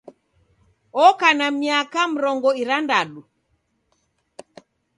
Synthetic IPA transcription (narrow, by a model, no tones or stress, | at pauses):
ɔkanamiakam̩ɾɔŋɡɔiɾandaɗu